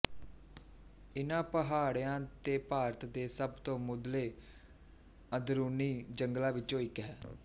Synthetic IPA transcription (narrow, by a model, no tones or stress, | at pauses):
ɪnãːpəɦaːɽjãːt̪eːpaːɾət̪d̪eːsəbt̪õːmʊd̪leː | əd̪ɾuːniːd͡ʒəŋɡlaːʋɪt͡ʃõːɪkɦɛː